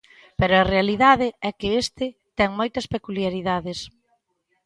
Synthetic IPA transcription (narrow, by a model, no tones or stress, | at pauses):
peɾʊɐrealiðaðɪɛkɪest̪ɪt̪ɛŋmojt̪ɐspekuljaɾiðaðɪs